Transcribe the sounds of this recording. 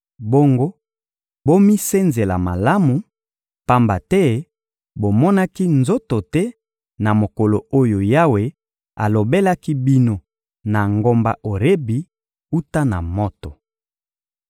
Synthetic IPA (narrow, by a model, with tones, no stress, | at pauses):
bo˦ŋɡo˦ | bo˦mi˦se˦nze˨la̰˨ma˨la˦mu˨ | pa˦mba˨tɛ˦ | bo˨mɔ˦na˦ki˦nzo˦to˨tɛ˦ | na˨mo˨ko˨lo˨o˦jo˨ja˦we˦ | a̰˨lo˨be˦la˦ki˦bi˦no˦ | na˨ŋɡo˦mba˨ʔo˨ʁe˦bi˨ | u˦ta˦na̰˨mɔ˦to˨